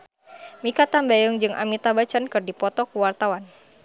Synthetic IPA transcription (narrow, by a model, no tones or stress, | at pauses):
mikat̪ambajəŋd͡ʒɨŋʔa̰mit̪abat͡ʃankɨrdipɔt̪ɔkuwart̪awan